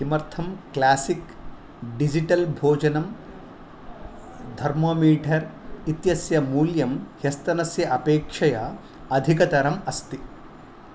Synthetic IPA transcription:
imɐɾt̪ʰɐmklaːsik | ɖid͡ʒiʈɐlbʱoːd͡ʒɐnɐm | d̪ʱɐɾmɐːmiːʈʰɐɾ | it̪jɐsjɐmuːljɐmhjɐst̪ɐnɐsjɐʔɐpeːkʂɐjɐ | ɐd̪ʱikɐt̪ɐɾɐmɐst̪i

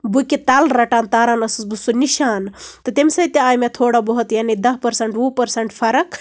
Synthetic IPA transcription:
buket̪aːlɾɐʈaːnt̪aːɾaːnɐsɨsbusuniʃaːnt̪ɐt̪emsɐit̪eaːjmet̪ʰoːɽabɐɦut̪jaːnid̪ɐɦpɐɾsɐɳʈũːpɐɾsɐɳʈpʰɐɾɐk

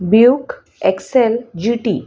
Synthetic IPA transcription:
bjuk | ɛksɛld͡ʑiʈi

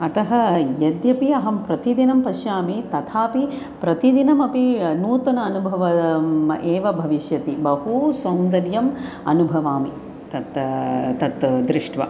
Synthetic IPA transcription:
ɐt̪ɐɦɐjɐd̪jɐpiɐɦɐmpɾɐt̪id̪inɐmpɐʃjaːmit̪ɐt̪ʰaːpi | pɾɐt̪id̪inɐmɐpinuːt̪ɐnɐːnubʱɐʋɐʔeːʋɐbʱɐʋiʃjɐt̪ibɐɦusɐwnd̪ɐɾjɐm | ɐ̰nubʱɐʋaːmḭ | t̪ɐt̪t̪ɐt̪d̪ɾɪʂʈʋɐ̰

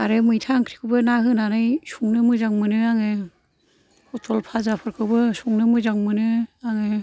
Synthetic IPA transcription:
aɾemɯjtʰaŋkʰɾi̥kʰɯbɯnaɦɯnanɯjsuŋnɯmɯzaŋmɯnɯaŋɯ | hɔtɔlpʰazapʰɯɾkʰɯbɯsuŋnɯmɯzaŋmɯnɯaŋe

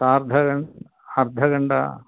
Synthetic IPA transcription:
saːɾd̪ʱɐɡɐɳ | ɐɾd̪ʱɐɡɐɳɖɐ̰

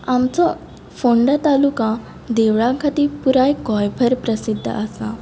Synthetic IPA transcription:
amt͡sɔ | foɳɖət̪alukã | d̪eʋɭãkʰat̪iːpuɾajkɔjbʱəɾpɾəsid̪ʱːə̰asa̰

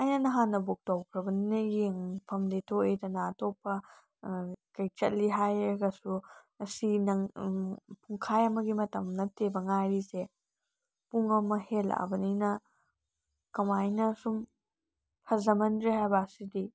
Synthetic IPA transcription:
ɐjnɐnɐɦanːɐbok̚towkʰɾɐbɐninɐjeŋpʰɐmletʰoetɐnaːtʰopːɐ | kɐjt͡ʃɐ̰t̚liɦajɐɡɐsu | ɐsinɐ | pʰuŋkʰajɐmɐɡimɐtɐmnɐtebɐŋaɾise | puŋɐmɐhela̰ɐ̰bɐninɐ | kɐmajnɐsum | pʰɐzɐmɐndɾehajbɐsidi

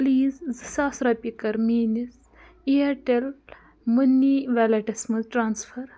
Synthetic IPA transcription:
liːzzɨsaːsɾɐpikɐɾmiːnis | ijɐʈel | munːiʋalɐʈɐsmɐzʈɾaːnsfʰɐɾ

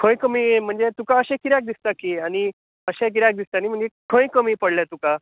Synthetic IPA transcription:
kʰə̃j̃kəmiːm̤əɳd͡zet̪ukaəɕɛ̃kiɾjak̚d̪ist̪akiaɽ̃i | əɕɛ̃k̬iɾjak̚d̪ist̪anim̤əɳd͡zekʰə̃j̃kəmiːpəɽlɛt̪uka

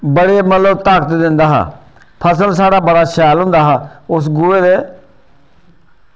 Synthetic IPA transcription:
bəɽeːmət̪ləbt̪aːkət̪d̪ɪ̃nd̪aːɦa̰ː | pʰəsəlsaːɽaːbəɽaːʃɛːlɦʊ̃nd̪aːɦaːʊs̬ɡʊeːd̪eː

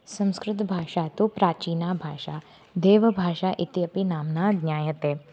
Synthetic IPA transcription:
sɐ̃mskɾɪt̪bʱaːʃaːt̪opɾaːt͡ʃiːnabʱaːʃaː | d̪eːʋəbʱaːʃaʔɪt̪jɐpinaːmnaːɡnʲjaːjət̪eː

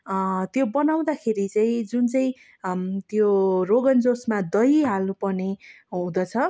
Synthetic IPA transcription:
t̪jobʌnaw̃d̪akʰeɾit͡saĩd͡zunt͡sʌĩ | t̪joroɡʌnd͡zosmad̪ʌjɦalũpʌne | ɦũd̪ʌt͡sʰʌ

